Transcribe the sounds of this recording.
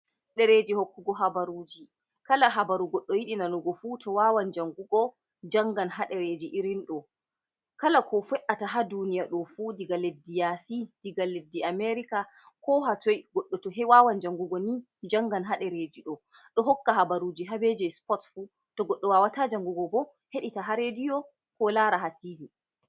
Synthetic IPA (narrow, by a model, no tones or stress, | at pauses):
ɗɛɾed͡ʒihokːuɡɔɦabaɾud͡ʒi | kalaɦabaɾuɡɔɗːɔjiɗinanɔɡɔfutʰɔwawand͡ʒaŋɡuɡɔ | d͡ʒaŋɡanɦaɗɛɾed͡ʒiʔiɾinɗɔ | kalakʰɔfɛʔataɦadunijaɗɔfudiɡaledːijasid̥iɡalːedːiameɾika | kɔɦatɔjɡɔɗːɔtɔɦɛwaːwand͡ʒaŋɡuɡɔni | d͡ʒaŋɡanɦaɗɛɾed͡ʒiɗɔ | ɗɔɦɔkːaɦabaɾuːd͡ʒiɦabed͡ʒɛspɔtfu | tɔɡɔɗːɔwaːwatad͡ʒaŋɡuɡɔbɔ | heɗitaɦaɾedijɔ | kɔlaːɾaɦatiːdi